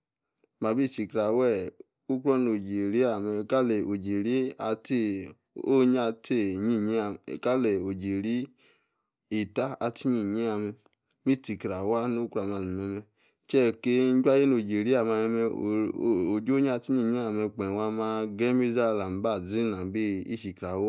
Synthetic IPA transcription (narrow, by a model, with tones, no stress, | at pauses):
ma˨˧˨bi˦˨ti˨kɾa˨wɛ˦˨ | u˦kɾɔ˦no˨d͡ʒi˨ɾi˦a˦˨˧lo˨d͡ʒi˨ɾi˦a˧te˦ | o˦ɲa˧te˦˨ɲi˦˨ɲ˦˨ka˦lɛ˨o˨d͡ʒi˨ɾi˦ | i˨ta˦a˧ti˦ɲi˦˨ɲi˦a˧mɛ˧ | mi˦ti˨kɾa˨wa˦no˦ka˨ma˧˨n˨mɛ˧mɛ˧ | t͡ʃɛ˦˨ke˦n̩˦d͡ʒa˦je˦no˨d͡ʒi˨ɾi˦a˨ma˧mɛ˧mɛ˧˨o˨d͡ʒo˦ɲ˦a˧ti˦ɲi˦˨ɲi˦a˨mɛ˧k͡pɛ˨wa˦mã˦ɡɛ˦mi˦za˦la˨m̩˦ba˦˨zi˦nã˨be˦ḭ˦ʃi˨kɾa˨w